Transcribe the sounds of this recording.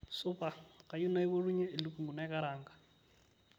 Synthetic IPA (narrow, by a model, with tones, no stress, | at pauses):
sʊ˦pa˨ka˨ju˦na˦i˦bo˦ru˦ɲɛː˦˨lɪ˦ku˨ŋu˨na˦ka˦ɾaː˨ŋ̩˨ka˨